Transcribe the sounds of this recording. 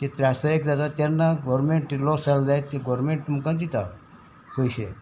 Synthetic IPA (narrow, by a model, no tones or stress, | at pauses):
t̪et̪ɾasaek̚d͡zat̪at̪ɛnːaɡɔɾmeɳʈilɔsald̪ajt̪ːeɡɔɾmeɳʈːumukãnd̪it̪a | kojɕe